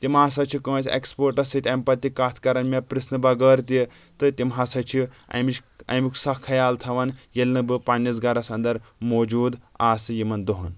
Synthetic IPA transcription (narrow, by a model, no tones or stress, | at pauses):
t̪imɦaːs̬ɐt͡ʃʰikə̃ːsʲḛkspoːɾʈɐsit̪ʲempɐt̪ːikaːt̪ʰkɐɾɐnmʲɐpɾisnɨbɐɡəːɾt̪i | t̪ɨt̪ʲimɦasɐt͡ʃʰi | ɐ̰mit͡ʃɐ̰mikʰsɐkʰːɐjaːlt̪ʰɐʋɐnjelnɨbɨpɐnʲːɐs̬ɡɐɾɐsɐnd̪ɐɾmoːd͡ʒuːd̪aːsɨjimɐnd̪oɦɐn